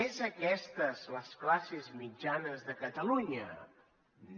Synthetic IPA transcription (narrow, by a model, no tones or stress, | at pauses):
ezəkɛst̪əzləsklasezmid͡ʒanəzðəkət̪əluɲə